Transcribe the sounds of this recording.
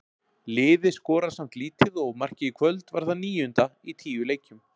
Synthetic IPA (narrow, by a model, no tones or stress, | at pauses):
lɪːðɪskɔːɾḁsam̥t̪liːt̪ɪðɔɣmar̥cɪikʰvœlt̪vaɾ̥ðaniːjʏnt̪ait̪ʰiːjʏleːjcʏm